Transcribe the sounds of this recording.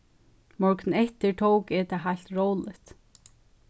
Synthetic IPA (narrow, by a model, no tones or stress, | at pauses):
mɔɹknn̩ɛht̪ɪɹtʰoːwkɛt̪ʰaɦajl̥t̪ɹowlɪht̪